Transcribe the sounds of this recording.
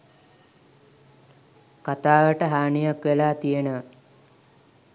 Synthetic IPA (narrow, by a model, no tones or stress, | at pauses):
kat̪aːʋəʈəɦaːɳijakʋelaːt̪ijənə